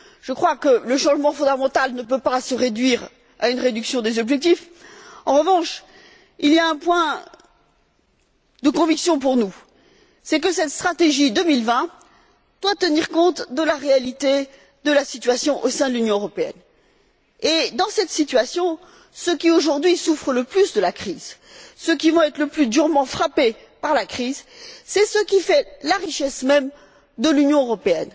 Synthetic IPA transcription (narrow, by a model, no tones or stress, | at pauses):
ʒ̥əkχwakələʃɑ̃ʒmɑ̃fɔ̃d̪amɑ̃t̪alnəpøpasəʁed̪ɥiʁ | a̰ynʁed̪yksjɔ̃d̪ezɔbʒɛk̚t̪if | ɑ̃ʁəvɑ̃ʃ | ilijaɛ̃pwɛ̃ | d̪əkɔ̃viksjɔ̃p̬uʁnu | sɛk̬əsɛt̪st̪χat̪eʒid̪əmilvɛ̃ | d̪̥wat̪əniʁkɔ̃t̪d̪əlaʁealit̪e | d̪əlasit̪ɥasjɔ̃ʔosɛ̃d̪əlynjɔ̃øʁɔpeɛ̰n | ed̪ɑ̃sɛt̪sit̪ɥasjɔ̃ | səkʲioʒuʁd̪ɥisufχələplysd̪əlakχiz | sək̬ʲivɑ̃ɛt̪χləplyd̪yʁmɑ̃fχape | paʁlakχizsɛsəkʲifɛlaʁiʃɛsmɛm | d̪əlynjɔ̃øʁɔpeɛn